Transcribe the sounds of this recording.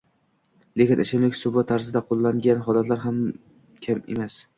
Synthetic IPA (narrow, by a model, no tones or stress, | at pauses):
lekʲɪnɪʃɪmlɪkʲsʊvat̪ʰaɾzɪd̪aqʰolˠːaŋɡʲanɦɒlat̪laɾɦam | kʲʰamḛmas